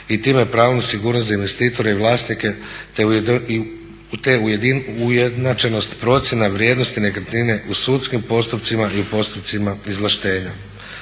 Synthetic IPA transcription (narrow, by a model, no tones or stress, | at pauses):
it̪imejepɾaːʋonasiɡuːɾnost̪zainʋe̞st̪iːt̪o̞ɾeiʋlˠaːsnike̞t̪e | t̪eujed̪ujed̪nat͡ʃe̞no̞st̪pɾo̞t̪sje̞naʋɾjed̪no̞st̪ine̞kaɾt̪nine̞ʔusuːt̪skimpo̞st̪up̚t̪simaiupo̞st̪upt̪simaizlˠaʃt̪e̞ːɲa